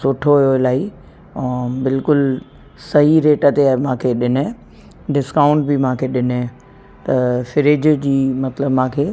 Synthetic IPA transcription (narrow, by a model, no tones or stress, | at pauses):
sʊʈʰoɦijoɪlaːi | bɪlkʊl | sɐɦiɾeːʈət̪eaemãːkʰeɗɪne | ɖɪskaːʊ̃ɳʈ̚bɪmãːkʰeɗɪnẽ | t̪ɐfɪɾɪd͡ʑd͡ʑiːmɐt̪ləbmãːkʰeː